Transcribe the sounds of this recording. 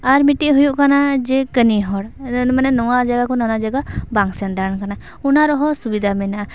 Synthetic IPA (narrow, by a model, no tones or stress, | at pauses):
aɾmiʈiʔɦujuʔkanad͡ʒɛkəniɦɔɽnmanɛnɔwad͡ʒaɡakɔnanad͡ʒaɡabaŋsand̪aɾənkana | unaɾɔɦɔsubid̪ʱamɛnaʔa